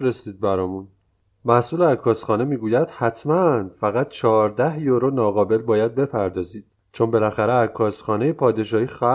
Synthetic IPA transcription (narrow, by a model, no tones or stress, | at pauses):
ɾesiːd̪̚bæɾɒːmun | mæhsuːleækʰːɒːsχɒːne̞miːɡuːjæd̪̥hæt̪ʰmænfæɣæt̪̚t͡ʃʰɒɾd̪æhjoɾonɒːɣɒːbe̞lbɒːjæd̪̚be̞pʰæɾd̪ɒːziːd̪̥ | t͡ʃʰonbe̞læxæɾeækʰːɒːsχɒːne̞jepʰɒːd̪e̞ʃɒːhiːxæ